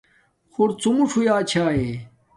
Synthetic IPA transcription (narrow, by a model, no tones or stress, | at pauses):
xuɾt͡sumuʂʰujaːt͡ɕʰaːe